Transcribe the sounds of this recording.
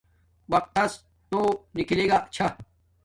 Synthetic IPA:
wɐq̚t̪ɐs | t̪onikileːɡat͡ɕʰɐ

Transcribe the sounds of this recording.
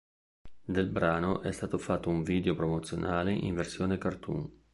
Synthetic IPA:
d̪elbɾaːnoʔɛst̪aːt̪ofat̪ːouɱviːd̪eopɾomot̪sːjo̰nʔaːleʔḭɱversjoːnekart̪ṵŋ

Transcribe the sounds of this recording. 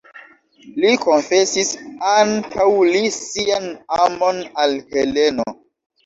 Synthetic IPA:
liko̞nfe̞sisantʰawlisianamo̞nalhele̞no

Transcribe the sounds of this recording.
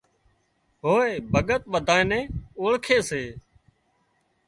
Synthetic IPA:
ɦoːeːbʱəɠət̪̚ɓəd̪ʱaːenẽːoːɭkʰeːseː

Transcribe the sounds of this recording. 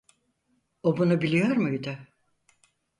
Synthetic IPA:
obunubilʲijoɾmujd̪ʊ

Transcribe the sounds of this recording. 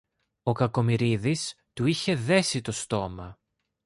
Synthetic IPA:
o̞kɐko̞miɾiðis | t̪uiçe̞ðe̞sit̪o̞st̪o̞mɐ

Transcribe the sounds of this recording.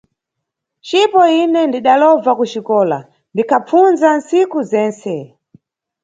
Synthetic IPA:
t͡ʃipɔinɛndiɗalɔvakut͡ʃikɔːla̰ | ndikʰap͡funzan̩sikuzɛːnsɛ

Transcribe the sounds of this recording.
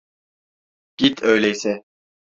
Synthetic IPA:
ɡ̥it̪ʰøjlʲɛjsɛ

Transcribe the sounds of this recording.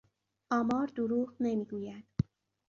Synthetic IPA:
ʔɒːmɒːɾd̪uɾuːʁnemiːɡuːjæd̪̥

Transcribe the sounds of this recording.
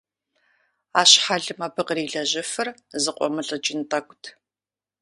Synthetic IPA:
aːɕħaɮɨmaːbɨqriːɮɐʑɪfɨrzɨqʷʼɔ̰mɨɬʼɐt͡ʃʼɪntʼaːkʷʼʊtʰ

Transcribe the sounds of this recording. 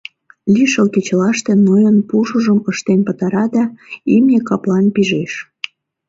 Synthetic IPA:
lʲiʃəlket͡ɕəlɑʃt̪ĕnojənpuʃuʒəməʃt̪enʲpət̪ɑɾɑd̪ɑimnʲekɑplɑnpiʒeʃ

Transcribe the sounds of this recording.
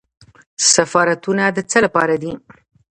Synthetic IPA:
safɑɾat̪unad̪ət͡səlapɑɾad̪i

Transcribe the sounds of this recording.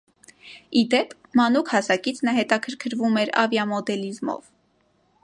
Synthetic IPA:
id̪ɛpʰ | mɑnukʰhɑsɑkit͡sʰnəɦɛt̪ɑkʰəɾkʰəɾvumɛɾɑ̰vjɑmɔd̪ɛlizmɔ̰v

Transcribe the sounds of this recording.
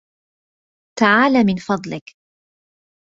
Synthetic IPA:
t̪aʕaːlaːmɪnfɑd̪ˤlɪk

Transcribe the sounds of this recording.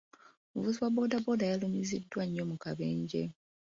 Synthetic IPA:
omuvuziwabo̞ːdabo̞dajalumizidːwaɲːo̞mukaβe̞ːɲɟe̞̰

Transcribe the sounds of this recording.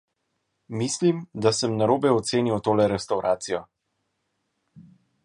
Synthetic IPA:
mislimd̪asəmnaɾoːbɛɔt̪seːniwt̪oːlɛɾɛst̪awɾʔaːt̪sijɔ

